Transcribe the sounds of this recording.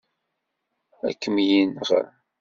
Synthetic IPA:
æ̰kːəmjinʁə̰ɾ

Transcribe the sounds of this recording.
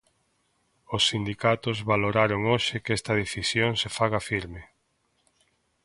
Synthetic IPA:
osːind̪ikat̪ʊzβaloɾaɾoŋoʃɪkɛst̪ɐðeθisjoŋsefaɣafiɾme

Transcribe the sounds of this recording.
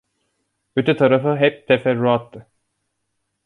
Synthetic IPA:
øt̪ʰɛt̪ʰaɾafɯɦɛp̚t̪ʰɛfɛɾːuat̪ːɯ

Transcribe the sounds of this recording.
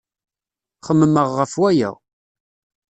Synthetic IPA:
χəmːəməʁːəfwæjæ̰

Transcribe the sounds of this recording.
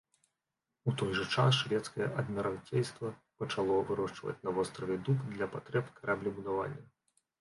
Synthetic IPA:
ut̪ɔjʐɐt͡ʂasʂvʲɛt̪skɐjɛʔɐd̪mʲiɾantʲejst̪vɐ | pɐt͡ʂalˠɔvɨɾɔʂt͡ʂvɐ̰t͡sʲnɐvɔst̪ɾɐvʲɛd̪ukd̪lʲɐpat̪ɾɛpkaɾʔablʲibud̪ava̰nʲːɐ

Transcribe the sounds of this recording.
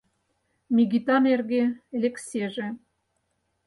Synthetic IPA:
mʲiɣit̪ɑmerɣelekseʒĕ

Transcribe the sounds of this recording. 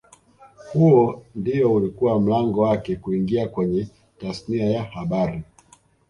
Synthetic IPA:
huɔndijɔulikuwam̩laŋɡɔwakɛkuiŋɡiakwɛɲɛ | tasniajahaɓaɾi

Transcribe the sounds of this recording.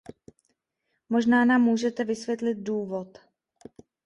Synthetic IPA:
mo̞ʒnaːnaːmːuːʒɛt̪ɛvɪsvjɛt̪lɪd̪̚duːvo̞t̪

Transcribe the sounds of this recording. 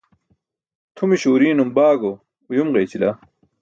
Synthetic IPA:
t̪ʰumiɕoːɾiːnumbaːɡo | ujumʁeːt͡ɕila

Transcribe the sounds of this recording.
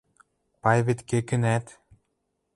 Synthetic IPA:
pajβet̪kʲekɘ̆næt̪

